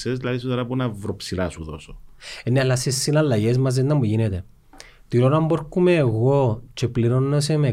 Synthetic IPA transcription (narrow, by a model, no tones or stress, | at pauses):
sezd̪ilɐðisot̪ɾɐpunɐvɾopsilɐ̰suðo̰soenːealːasesːinɐlːɐʝezmɐzðenːɐmːuʝinet̪e | t̪iɾonɐmboɾkːumeːɣot͡ʃepliɾonːes̬eme